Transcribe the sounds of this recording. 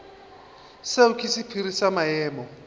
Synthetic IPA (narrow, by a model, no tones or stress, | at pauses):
seukʰisipʰirisamajɛːmɔ